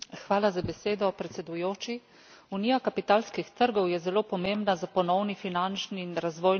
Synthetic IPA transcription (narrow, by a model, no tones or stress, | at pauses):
xʋaːlazabɛseːd̪ɔpɾɛt̪sɛd̪ujoːt͡ʃi | unijakapit̪aːlskixt̪əɾɡɔwjɛzɛloːpɔmeːmbnazapɔnɔwnifinant͡ʃniːnɾazʋɔːj